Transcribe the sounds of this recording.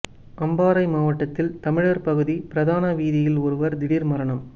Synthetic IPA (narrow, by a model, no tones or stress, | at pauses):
ɐmbaːɾɐɪmaːʋɐʈːɐt̪ːɪlt̪ɐmɪɻɐɾpɐɣɯðipɪɾɐðaːnɐʋiːðɪjɪlɔɾɯʋɐɾd̪ɪɽiɾmɐɾɐɳɐm